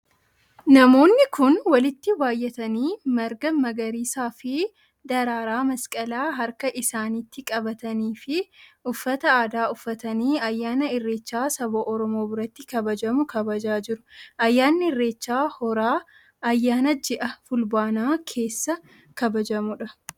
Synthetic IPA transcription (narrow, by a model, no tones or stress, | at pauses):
nɐmo̞ːnːɪkʊnwɐlɪt̪ːɪbaːjːɛt̪ɐniːmɐɾɡɐmɐɡɐɾiːsaːfɪ | d̪ɐɾaːɾaːmɐskʼɐlaːɦɐɾkɐʔɪsaːniːt̪ːɪkʼɐbɐt̪ɐniːfɪʔʊfːɐt̪ɐaːd̪aːʊfːɐt̪ɐniːɐjːaːnɐɪrːe̞ːt͡ʃːaːsɐboːʔɔɾɔmoːbʊɾɐt̪ːɪkɐbɐd͡ʒɐmʊkɐbɐd͡ʒaːd͡ʒɪɾʊ̥ʔɐjːaːnːɪɪrːe̞ːt͡ʃːaːhɔɾaː | ɐjːaːnɐd͡ʒɛʔɐfʊlbaːnaːkʰe̞ːsːɐ | kɐbɐd͡ʒɐmʊᶑɐ